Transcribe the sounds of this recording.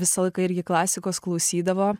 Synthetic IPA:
ʋʲɪsɐlˠɐɪkɐɪɾʲɡʲɪklˠɑːsʲɪkoːsklˠɒʊsʲiːd̪ɐʋoː

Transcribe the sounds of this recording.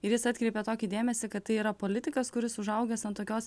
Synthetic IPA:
ɪɾjɪsɐt̪ʲkɾʲɛɪpʲet̪oːkʲid̪ʲeːmʲɛsʲɪkɐt̪t̪ːɐɪiːɾɐpoːlʲɪt̪ʲɪkɐskʊɾʲɪsʊʒɐʊɡʲɛsɐnt̪oːkʲoːs

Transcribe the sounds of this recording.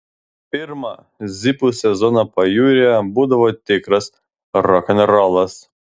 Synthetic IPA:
pʲɪɾmɐ | zʲipusʲɛzɔnɐpɐjuːɾʲɪɛbuːd̪ɐʋoːt̪ʲɪkɾɐs | ɾɔkʲɐnʲɾɑlˠɐs

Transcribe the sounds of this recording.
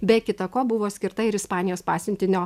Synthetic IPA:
bʲɛkʲɪt̪ɐkoːbʊʋoːsʲkʲɪɾt̪ɐɪɾɪspɑːnʲɪjoːspɑːsʲɪnʲt̪ʲɪnʲoː

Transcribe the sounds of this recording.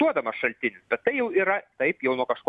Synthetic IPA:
uɔd̪ɐmɐʃɐlʲt̪ʲɪnʲɪsbʲɛt̪t̪ːɐɪjɛʊiːɾɐt̪ɐɪpjɛʊnuɔkɐʃko

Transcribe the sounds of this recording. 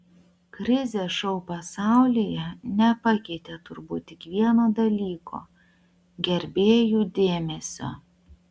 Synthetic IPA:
kɾʲɪzʲeːʃɔʊpɐsɑˑʊlʲijɛnʲɛpɐkʲɛɪt̪ʲeːt̪ʊɾbuːt̪ːʲɪkʋʲiɛnoːd̪ɐlʲiːkʰo̰ː | ɡʲɛɾʲbʲeːjuːd̪ʲeːmʲɛsʲo̰ː

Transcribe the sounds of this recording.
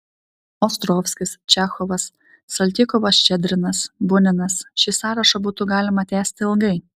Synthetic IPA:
ɔːst̪ɾɔːfʲsʲkʲɪst͡ʃʲæːxɔʋɐsː | ɐlʲt̪ʲɪkɔʋɐst͡ʃʲɛd̪ʲɾʲɪnɐsbʊnʲɪnɐsʃʲisɑːɾɐʃɐbuːt̪ʊɡɑːlʲɪmɐt̪ʲæːsʲt̪ʲɪɪlˠɡɐɪ

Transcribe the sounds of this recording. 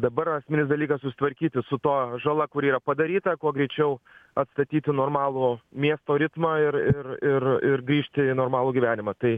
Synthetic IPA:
d̪ɐbɐɾɐsʲmʲɪnʲɪsd̪ɐlʲiːkɐssʊsʲɪ̥t̪ʋɐɾʲkʲiːt̪ʲɪsʊt̪uɔʒɐlˠɐkʊɾiːɾɐpɐd̪ɐɾʲiːt̪ɐkuɔɡɾʲɛɪt͡ʃʲɛʊɐt̪st̪ɐt̪ʲiːt̪ʲɪnoːrmɑːlˠuːmʲiɛst̪oːɾʲɪt̪mɐːɪɾɪrɪrɪrɡɾʲiːʃʲt̪ʲɪɪnoːrmɑːlˠuːɡʲiʋʲæːnʲɪmɐt̪ɐɪ

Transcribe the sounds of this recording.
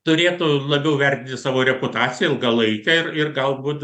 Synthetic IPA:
t̪ʊɾʲeːt̪ʊlˠɐbʲɛʊʋʲɛrʲt̪ʲɪntʲɪsɑːʋoːɾʲɛpʊt̪ɑːt͡sʲɪjɛɪlˠɡɐlˠɐɪkʲɛɪrɪrɡɐlˠbuːt̪

